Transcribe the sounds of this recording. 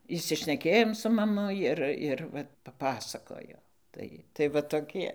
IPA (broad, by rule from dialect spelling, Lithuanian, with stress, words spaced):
ɪʃʲsʲɪʃʲnʲɛˈkʲeːjoːm sʊ mɐˈmʊ ˈɪr ɪr ˈʋɐ pɐˈpɑːsɐkoːjoː ˈtɐɪ tɐɪ ʋɐ toːˈkʲiɛ